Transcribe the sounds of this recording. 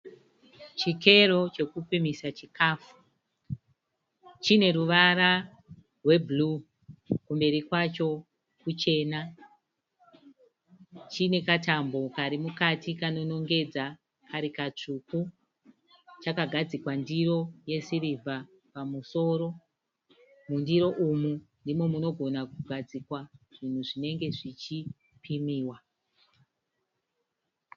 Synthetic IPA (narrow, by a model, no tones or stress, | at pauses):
t͡ʃike̞ro̞t͡ʃe̞kupimisat͡ʃikʰaːfu̥ | t͡ʃine̞ɾuʋaɾa | rwe̞blu | kumbe̞ɾikwat͡ʃo̞ | kut͡ʃe̞ːna | t͡ʃine̞katambo̞kaɾimukatikano̞no̞ŋɡe̞d͡za | kʰaɾikat͡ʂuku | t͡ʃakaɡʱad͡zikwandiɾo̞je̞sirivʱa | pamuso̞ɾo̞ | mundiɾo̞ʔumundimo̞muno̞ɡʱo̞nakuɡʱad͡zikwaʐ̥in̤uʐine̞ŋɡe̞ʐit͡ʃi | pʰimiːwa